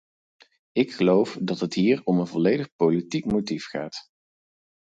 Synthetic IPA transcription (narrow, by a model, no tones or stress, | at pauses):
ɪkχəlowfdɑtɦətɦiːɹɔmənvɔlejdəχpowlitikmotifχaːt